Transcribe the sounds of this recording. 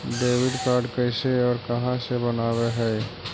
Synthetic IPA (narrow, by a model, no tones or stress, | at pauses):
ɖeːwɪɖkaːɾɖkəɪseɔːɾkəɦãsebənaːweɦɛː